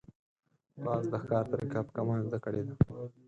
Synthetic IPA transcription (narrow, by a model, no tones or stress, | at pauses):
pɑːzd̪əxkɑːɾt̪aɾikaːt̪kamɑːnzd̪akəɽed̪a